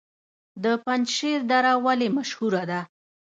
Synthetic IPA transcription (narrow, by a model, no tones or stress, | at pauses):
d̪əpand͡ʒʃeɾd̪aɾawalemaʃhuɾad̪a